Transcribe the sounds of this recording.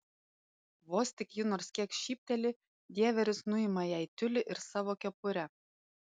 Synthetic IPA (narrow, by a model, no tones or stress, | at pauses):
ʋɔsʲt̪ʲɪkjʊnoɾskʲiɛkʃʲiːp̚ʲt̪ʲɛlʲɪ | d̪ʲiɛʋʲɛɾʲʊsnʊɪmɐjæjt̪ʲʊlʲɪʔɪɾsɑːʋokʲɛpʊɾʲɛ